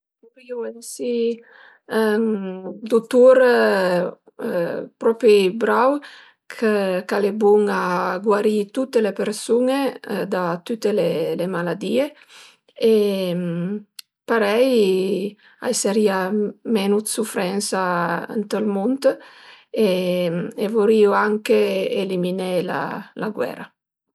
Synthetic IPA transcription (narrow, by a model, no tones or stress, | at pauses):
uɾiuɛnsi | d̪ut̪uɾ | pɾɔpɾibɾaw | kʰəkalebuŋaɡwaɾit̪ut̪ːelepeɾsuŋed̪at̪ut̪ːelelemalad̪ie | em | paɾɛj | a̰jseɾiamɛnut̪sufɾɛnsaə̰nt̪əlmunt̪ | e | evoɾiuaŋkeeliminela̰laɡwɛ̰ːɾa